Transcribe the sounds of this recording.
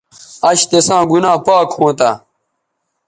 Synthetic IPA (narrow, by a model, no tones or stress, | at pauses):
ɐɕt̪esãːɡunãːpaːkhõːt̪a